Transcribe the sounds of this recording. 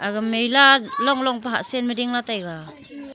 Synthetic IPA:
aɡɯmːejlalɔŋlɔŋpaɦa̰ʔsenmidiŋlatajɡa

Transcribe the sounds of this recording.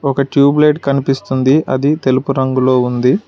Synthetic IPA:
ɔkɐʈjuːbleːʈkɐnipist̪und̪iʔɐ̰d̪it̪e̞lupuɾɐŋɡulo̞ːund̪i

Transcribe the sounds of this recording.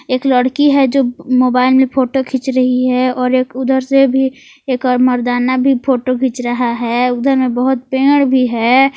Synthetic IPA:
eːkləɽkiɦɛd͡ʒoːmoːbaːɪlmẽpʰoːʈokʰɪt͡ʃɾɐɦiɦɛɔːɾeːkʊd̪ʱəɾsebʱi | eːkɔːɾməɾd̪aːnabʱipʰoːʈokʰɪt͡ʃɾəɦaɦɛʊd̪ʱəɾmẽbəɦʊt̪̚pẽːɽbʱiɦɛ

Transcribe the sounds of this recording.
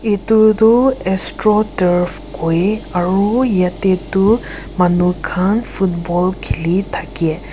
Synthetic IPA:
et̪ud̪uɛstɹɔtəɹpʰ | kojaɹujat̪etu | manukʰanpʰutbɔlkʰelit̪ʰakiɛ

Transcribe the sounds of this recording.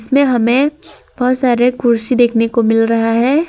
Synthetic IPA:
ɪsmẽɦɐmẽ | b̥ɔɦʊt̪saːɾekʊɾsid̪eːkʰnekomɪlɾɐɦaɦɛː

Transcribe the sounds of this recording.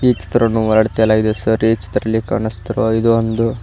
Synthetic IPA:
it͡ʃi̥t̪ɾɐnːuʋɔlɐɽt̪ijɐlːaɡid̪esɐɾit͡ʃi̥t̪ːɾɐlːikɐ̰ːɳɐst̪ɾoid̪uond̪u

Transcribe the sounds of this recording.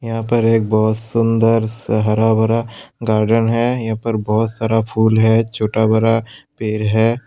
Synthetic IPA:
jɐɦãpəɾeːk̚bɔːt̪sʊ̃nd̪əɾsəɦəɾabəɾaɡaːɾɖənɦɛːjɐɦãːpəɾbɔɦʊt̪saːɾapʰuːlɦɛt͡ʃʰoːʈabəɾapeːɾɦɛː

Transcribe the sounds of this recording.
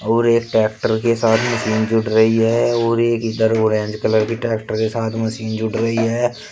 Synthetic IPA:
oːɾeːkʈɛːk̚ʈəɾkesaːt̪ʰməsiːnd͡ʒʊɽɾɐɦiɦɛoːɾeːkɪd̪əɾoːɾẽːnd͡ʒkələɾkiʈɛːkʈəɾkesaːt̪ʰməsiːnd͡ʒʊɽɾɐɦiɦɛː

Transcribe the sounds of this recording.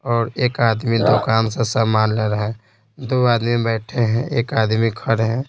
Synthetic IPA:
ɔːɾeːkaːd̪mid̪oːkaːnsesamaːnleɾəɦɛ | d̪oːaːd̪mibɛːʈʰeɦɛ̃ʔeːkaːd̪mikʰəɾɦɛ̃ː

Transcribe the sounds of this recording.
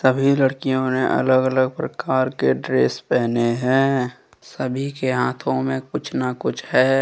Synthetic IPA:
səbʱiləɽkijõnẽʔə̰ləɡələɡ̚pɾəkaːɾkeɖɾeːspɛːɦneɦɛ̃ː | səbʱikeɦaːt̪ʰõmẽkʊt͡ʃʰnakʊt͡ʃʰhɛː

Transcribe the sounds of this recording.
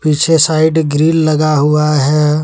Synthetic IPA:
piːt͡ʃʰesaːɪɖɡɾiːlːɐɡaɦʊaɦɛ

